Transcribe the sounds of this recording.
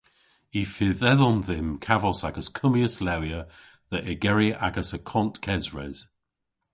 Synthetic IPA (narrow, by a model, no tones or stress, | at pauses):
ifɪðɛðɔnðɪmkʰavɔsaɡəskʰʊmiəslɛwjə | ðəʔɛɡɛɹiʔaɡəsəkʰɔntkʰɛzɹɛ̰z̥